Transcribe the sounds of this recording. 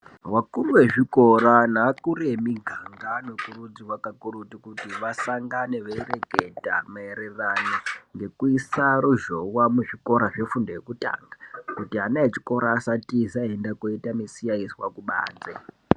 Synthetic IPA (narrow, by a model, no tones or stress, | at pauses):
wakuluwe̞ʐiko̞ranakuɾe̞miɡʱaŋɡanokuɾud͡ziwakakuɾutikutiʋasaŋɡaneʋeire̞ke̞ta̰maeɾeraniŋɡe̞kuisaɾuʒo̞wamuʐiko̞ɾaʐe̞fundojekuta̰ŋɡakutianaet͡ʃi̥ko̞ɾaːsatizaendakoitamisijaiswakuɓa̰ːnd͡ze